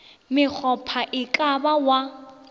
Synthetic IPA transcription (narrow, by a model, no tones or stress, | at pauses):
mɪk͡xʰɔpʰaʔɪkʼabawa